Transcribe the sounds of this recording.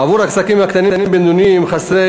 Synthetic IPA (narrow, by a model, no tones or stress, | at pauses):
avuɾaksakimhakt̪aninimbend̪unimχasʁe